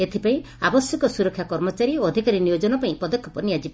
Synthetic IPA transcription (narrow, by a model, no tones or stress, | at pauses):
et̪ʰipaĩ | abɔsjɔkɔsuɾɔkʰːjakɔɾmɔt͡ʃaɾioːd̪ʱikaɾinijod͡ʒɔnɔpaĩpɔd̪ɔkʰjɔpɔnijad͡ʒib